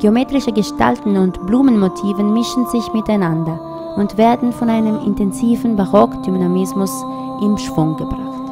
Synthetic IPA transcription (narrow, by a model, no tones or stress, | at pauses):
ɡ̥eomeːtʁɪʃəɡəʃta̰ltn̩ʊntb̥luːmənmotʰiːvənmɪʃn̩zɪçmɪtaɪnandɐ | ʔʊntv̥eːɐdn̩fɔnaɪnəmɪ̰ntɛnziːvn̩baʁɔkd̥ynamɪsmʊs | ʔɪmʃv̥ʊŋɡəbʁaχt